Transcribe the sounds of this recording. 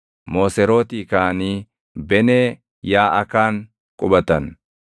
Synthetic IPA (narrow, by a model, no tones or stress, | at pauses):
mo̞ːsɛɾo̞ːt̪iːkaːniː | bɛneː | jaːʔɐkaːŋ | kʼʊbɐt̪ɐn